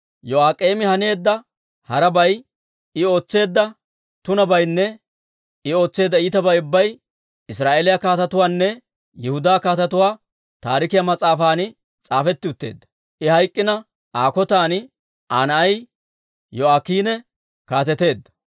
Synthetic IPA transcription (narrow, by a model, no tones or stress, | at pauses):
jɔaːkʼːeːmɪhɐne̞ːd̪ːɐ | hɐɾɐbɐj | ɪo̞ːt͡sːe̞ːd̪ːɐ | t̪ʊnɐbɐjnːɛ | ɪo̞ːt͡sːe̞ːd̪ːɐiːt̪ɐbɐjʊbːɐj | ɪsɾaːʔeːlɪjakaːt̪ɐt̪ʊwaːnːɛ | jɪhʊd̪aːkaːt̪ɐt̪ʊwaː | t̪aːɾɪkɪjɐmɐt͡sʼaːfaːnɪ | t͡sʼaːfɛt̪ːɪʊt̪ːeːd̪ːɐ̥ | ʔɪhɐjkʼːɪnɐ | ʔaːkɔt̪aːn | ʔaːnɐɐj | jɔaːkːiːnɛ | kaːt̪ɛt̪e̞ːd̪ːɐ̥